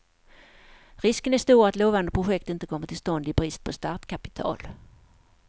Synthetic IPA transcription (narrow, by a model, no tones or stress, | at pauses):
ɾɪskənæʂt̪uːɾat̪loːvand̪əpʰɾʊɧɛk̚t̪ɪnt̪əkʰɔmːəʈ̪ʰɪlst̪ɔnd̪ɪbɾɪst̪̚pʰɔst̪aːt̪kʰapɪ̥t̪ʰɑ̰ːl